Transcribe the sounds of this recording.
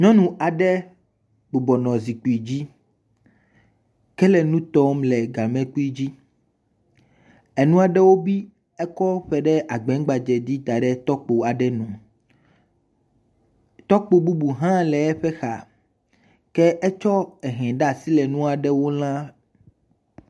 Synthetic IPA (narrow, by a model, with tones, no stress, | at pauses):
ɲɔ̃˦nũ˨ʔa˨ɖɛ˦ | bo˨bɔ˨nɔ̃˨zi˨k͡pu˦i˨d͡ʑi˦ | kɛ˦lɛ˨nũ˦t̪ɔ˦mlɛ˨ɡa˨mɛ̃˦k͡pu˦i˦d͡ʑi˦ | ɛ˨nũ˦a˨ɖɛ˦wo˦bi˦ | ɛ˦kɔ˦ɸɛ˨˦ɖɛ˦ʔa˨ɡ͡bɛ̃˨˦ɡ͡ba˨d͡ʒɛ˨d̪i˦t̪a˨ɖɛ˦t̪ɔ˦k͡po˨a˨ɖɛ˦nũ˨ | t̪ɔ˦k͡po˨bu˦bu˨ɦã˦lɛ˨ɛ˦ɸɛ˦xa˨ | kɛ˦ʔɛ˦t͡ʃɔ˦ɛ˨ɦɛ̃˨ɖa˦˨si˦lɛ˨nũ˦a˨ɖɛ˦wo˦l̃ã˦